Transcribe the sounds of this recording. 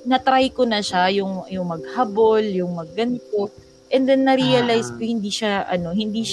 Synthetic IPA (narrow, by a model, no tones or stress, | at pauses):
nɐt̪ɾajkonɐʃajʊŋjʊŋmɐɡ̚hɐboljʊŋmɐɡːɐnk̪o | ʔɛnd̪ɛnːɐɾiɐlajskohɪnd̪iːʃaʔɐ̰no̞hɪnd̪iːʃ